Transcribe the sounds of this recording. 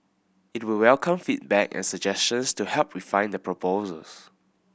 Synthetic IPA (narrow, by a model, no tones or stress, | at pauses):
it̚wilwɛlkʰə̃mfit̚bɛkɛ̰̃nsəd͡ʒɛst͡ʃə̃nstuhɛlp̚ɹifãɪ̃ndəpʰɹɔpʰozə̰ls